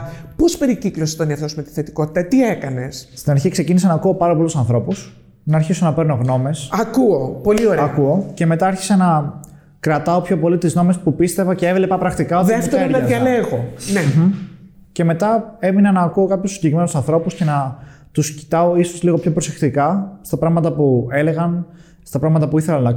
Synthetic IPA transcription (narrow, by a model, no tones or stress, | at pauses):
po̞spe̞ɾiciklosi̥t̪oniɐft̪osmet̪i̥θet̪i̥ko̞t̪i̥t̪ɐt̪iekɐne̞sst̪inɐɾçikse̞cinisɐnɐːkuo̞pɐɾɐpolusɐnθɾo̞pus | nɐːɾçisonɐpeɾnoɣno̞me̞sɐkuopo̞lio̞ɾeɐɐkuo̞ce̞me̞t̪ɐɐɾçi̥sɐnɐ | kɾɐt̪ɐopço̞po̞lit̪izno̞me̞spupist̪e̞vɐce̞evle̞pɐpɾɐkt̪ikɐotðieft̪eeoɾnɐɐiɐleɣone | ce̞me̞t̪ɐe̞minɐnɐːkuo̞kɐpçosiɟeɾime̞nosɐnθɾo̞pusce̞nɐ | t̪usci̥t̪ɐoisozliɣo̞pço̞pɾose̞kt̪ikɐst̪ɐpɾɐɣmɐt̪ɐpue̞le̞ɣɐn | st̪ɐpɾɐɣmɐt̪ɐpuiθe̞lɐnɐ